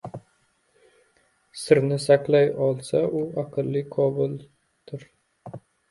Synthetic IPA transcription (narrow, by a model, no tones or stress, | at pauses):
sɪɾnɪsakʲlajɒlˠsaʔʊaqʰɨlːiqʰɒbɪl | t̪ʰʊɾ